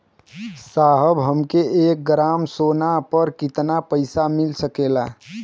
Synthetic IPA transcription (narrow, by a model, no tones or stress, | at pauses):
saɦəbɦəmkeek̚ɡɾamsonapəɾkit̪napəɪsamilsəkela